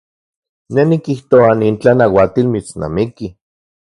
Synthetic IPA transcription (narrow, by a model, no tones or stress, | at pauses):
nenikiht̪oaniːnt͡ɬanawat̪ilmit͡sna̰miki